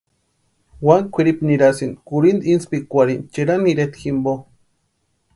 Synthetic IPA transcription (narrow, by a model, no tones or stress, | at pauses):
wankʷʰiɾipniɾasind̪kuɾind̪inspikʷaɾint͡ʃeɾaniɾet̪ximbo